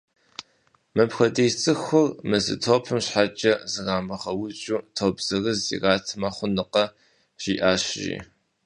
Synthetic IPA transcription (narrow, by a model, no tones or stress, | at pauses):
mɨpxʷɐdeːt͡sʼɨxʊrmɨzɨ̰tʰoːpʰɨmɕħat͡ʃʼɐzɨɣaːmɐχɐwʊt͡ʃʼuːtʰoːbz̥ɨrɨzḭraːtʰɨmɐχʷʊnɨqɐ | ʒ̥ḭːʔaːɕʒḭː